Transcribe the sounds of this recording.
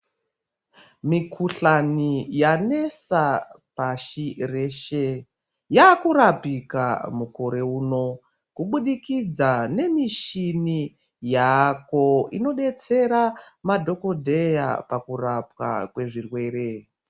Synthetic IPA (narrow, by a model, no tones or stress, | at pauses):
mikʰuɬanijane̞sapaʃire̞ʃe | jakurapika̰muko̞ɾe̞uːno̞ | kuɓuɗikid͡zane̞miʃini | jako̞ino̞ɗe̞t͡se̞ɾamadʱo̞ko̞dʱe̞ja̰pakurapwa̰kwe̞ʐirwe̞ːɾe̞